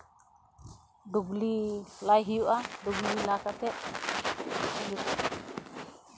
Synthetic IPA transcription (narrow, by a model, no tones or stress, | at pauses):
duɡlilajɦijuʔaduɡlilakat̪ɛʔ | ijuʔa